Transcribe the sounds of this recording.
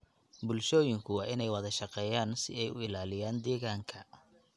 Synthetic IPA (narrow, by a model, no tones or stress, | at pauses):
bʊlʃɔːjɪŋkʰʊwɑːʔɪnɛjwɑðɐʃɑqɛːjaːnsɪɛjʊ̰ɪlaːlɪjaːnd̪ɛːɣaːŋkʰɐ